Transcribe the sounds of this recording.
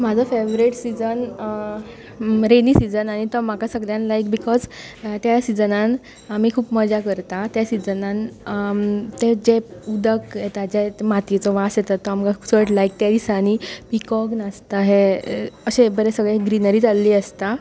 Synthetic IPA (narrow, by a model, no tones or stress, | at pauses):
mad͡zʱəfeʋɾiʈsid͡zən | ɾeniːsid͡zənañit̪ɔmakasəɡɭjãnlajkbikɔd͡zt̪jasid͡zənan | am̤ikʰuːpməd͡zakəɾt̪at̪jasid͡zənan | t̪ed͡ʑeud̪əkɦet̪ad͡ʑemat̪jet͡sɔʋasjet̪at̪ːɔamkasəʈlaik̚t̪jad̪isañipikɔɡnast̪aɦeəɕebəɾesəɡɭɛɡɾinəɾiːd͡zalːiːəst̪a